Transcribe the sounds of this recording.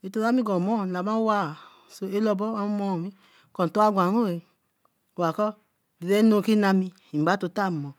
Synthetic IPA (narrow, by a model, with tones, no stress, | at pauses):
e˧to˧ɾa˦mi˦ɡɔ˨mɔ˦˨la˨ma˦wa˦˨ | so˧e˦lɔ˧bɔ˦a˧˦mɔ˧˨mi˦ | kɔ˨n˨to˦a˦˧ɡʷa˨ɾo˦e˨ | wa˨kɔ˦ | di˨ɾɛ˦no˦˧ki˦na˧mi˧ | i˨a˨˦to˧ta˦˨mɔ˨